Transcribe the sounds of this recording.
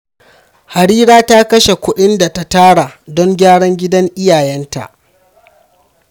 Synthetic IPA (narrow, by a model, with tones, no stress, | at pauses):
ha˨ɽiː˦ɽaː˦ta˦kɐ˦ʃe˨kʷʊ˦ɗɪ˦nda˨ta˦taː˦ɽa˨dɔ˦ŋɡʲaː˦ɽɔ˦ŋɡʲɪ˦dɐ˦ŋʔɪ˦jaː˨jɛ˦nta̰˨ʔ